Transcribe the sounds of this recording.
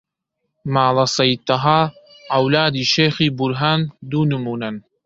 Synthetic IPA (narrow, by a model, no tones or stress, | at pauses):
maːlɐsɐjt̪ːɐɦaː | ʕɐwlaːd̪iːʃeːxiːbʊɾɦaːnd̪uːnɨmuːnɐn